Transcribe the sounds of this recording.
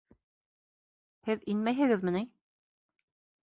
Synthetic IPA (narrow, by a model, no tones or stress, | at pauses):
hɘðinmæjɦɘ̆ɣɘ̆ðmɘ̆ni